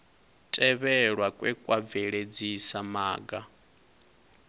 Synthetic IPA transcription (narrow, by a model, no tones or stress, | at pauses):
tʼɛβɛɺwakʼwɛkʼwab̪vɛɺed͡zisamaːɡa